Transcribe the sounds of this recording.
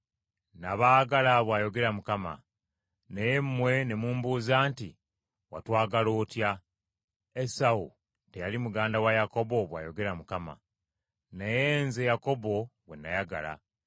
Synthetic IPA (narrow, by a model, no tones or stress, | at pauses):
naβaːɡalaβwaːjo̞ɡe̞ɾamukama̰ | nejemːwe̞ne̞muːmbuːzaːnti | watwaːɡaloːtja | esau | te̞jalimuɡaːndawajako̞bo̞βwa̰ːjo̞ɡe̞ɾamukama̰ | nejeːnzejako̞bo̞βwe̞̰nːajaɡa̰la̰